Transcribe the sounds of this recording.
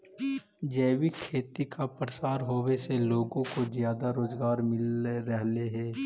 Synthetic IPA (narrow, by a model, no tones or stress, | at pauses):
d͡ʒəːwɪkʰːeːt̪ikapɾəsaːɾɦoːweseloːɡõkozjaːd̪aɾoːzɡaːɾmɪleɾəɦleɦɛː